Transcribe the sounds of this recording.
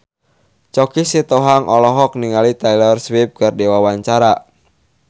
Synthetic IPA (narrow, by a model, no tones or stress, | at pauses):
t͡ʃɔkisit̪ɔɦaŋʔɔlɔɦɔk̚niŋalit̪ajlɔrswip̚kardewawaɲt͡ʃaɾa